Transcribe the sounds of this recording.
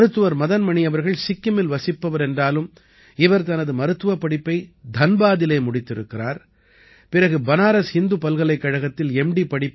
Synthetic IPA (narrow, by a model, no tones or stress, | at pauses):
ɾɯt̪ːɯʋɐɾmɐðɐnmɐɳɪjɐʋɐɾɣɐɭsɪkːɯmɪlʋɐsɪpːɐʋɐɾɛndraːlɯm | ɪʋɐɾt̪ɐnɐðɯmɐɾɯt̪ːɯʋɐpːɐɽɪpːɐɪd̪ʱɐnbaːðɪleːmʊɽɪt̪ːɪɾɯkːɪɾaːɾ | pɪrɐɣɯbɐnaːɾɐshɪnd̪ɯpɐlɣɐɭɐɪkːɐɻɐɣɐt̪ːɪlɛmɖipːɐɽɪpː